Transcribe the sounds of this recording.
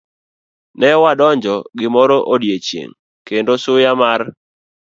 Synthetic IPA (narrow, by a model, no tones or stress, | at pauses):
nɛwadɔɲd͡ʒɔɡɪmɔɾɔʔodjet͡ʃjḛŋ | kendosʊjamar